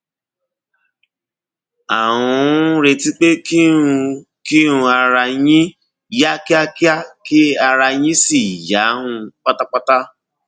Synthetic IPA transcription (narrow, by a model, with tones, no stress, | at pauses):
a˨ɦũ˧˦ɾe˧ti˦k͡pe˦ki˦˧ | ki˦ũ˧a˧ɾa˧jĩ˦ | ja˦ki˦a˦ki˦a˦ki˦a˧ɾa˧j̃ĩ˦si˨ja˨˦ɦũ˧k͡pa˦ta˦k͡pa˦ta˦